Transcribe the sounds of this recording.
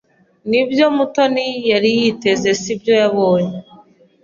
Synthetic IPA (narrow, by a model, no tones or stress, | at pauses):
nibjo̞mutonijaɾijite̞ze̞sibjo̞jaβo̞ːɲe